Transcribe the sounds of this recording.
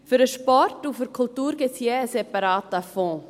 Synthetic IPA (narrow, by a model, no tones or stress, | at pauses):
fyɾəʃpɔrtufəɾkʰultuːɾɡɪt͡sjeəsɛpɑɾɑːtəfɔ̃ː